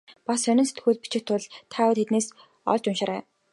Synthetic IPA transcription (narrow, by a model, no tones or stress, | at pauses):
pasːœnʲɪ̆nset̪ɡuːɮ̚pi̥t͡ɕɪ̆kt̪ʰʊɮt̪ʰaːʊt̪ʰet̪neːs | ɔ̰ɮt͡ɕʊnʃăːɾæ̰ː